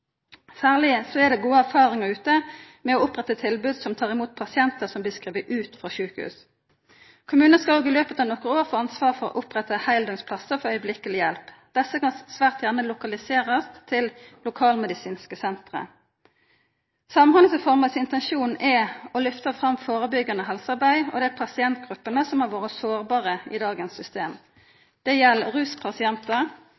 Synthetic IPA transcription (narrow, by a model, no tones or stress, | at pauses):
sæːʁlɪsoɛd̪ɛɡuːəæʁfɑːʁɪŋəʁʉːt̪ə | mɛɔʊpʁɛt̪ːət̪ʰɪlbʉːd̪sɔmt̪ʰɑːʁɪmuːt̪̚pʰɑsɪɛnt̪əsɔmblɪːskʁiːʋəʔʉːt̪fɔʃʉːkəhʉ̰ːs | kʰʊmʉːnəskɑloːɡɪløːpət̪ɑʋnɔkːəoːʁfoːɑnsʋɑːʁfɔʁɔ̰ʔʊpʁɛt̪əhæɪld̪ɔŋspʰlɑsəfɔɾœʏəblɪkəlɪjɛlpd̪̥ɛsːəkɑnsʋæːʁt̪jæʁnəlʊkɑlɪseːʁəst̪ʰɪllʊkʰɑːlmɛd̪ɪsiːnskəsɛnt̪ʁə̰ | sɑmhɑnəsəfɔʁmɑsɪnt̪ɛnʃuːnʔɛɔlʏft̪əfʁɑmfoːʁəbʏɡːɑnɔɦɛlsɑʁbæɪɔ̰d̪ɛæpʰɑsɪɛnt̪̚ɡʁʉpːənəsɔmhɑʁʋoːʁəsoːʁbɑːʁəɪ̰d̪ɑːɡənsːʏst̪eːm | d̪̥ɛjɛlːʁʉːspʰɑsɪɛnt̪ə